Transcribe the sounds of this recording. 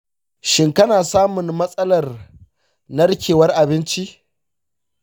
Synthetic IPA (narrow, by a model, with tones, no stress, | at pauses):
ʃɪ˦ŋkɐ˦naː˨saː˦mʊ˨nmɐ˦sʼɐ˦lɐ˨r | nɐ˦ɽkʲeː˨wɐ˦rʔa˨bɪ˦nt͡ʃi˦ʔ